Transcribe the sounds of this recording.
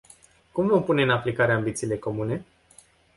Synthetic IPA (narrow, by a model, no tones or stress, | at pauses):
kumvo̞mpune̞ɨnaplikaɾeambit̪siːle̞ko̞mune̞